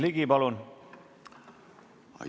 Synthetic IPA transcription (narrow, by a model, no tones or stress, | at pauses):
liɡipɑlun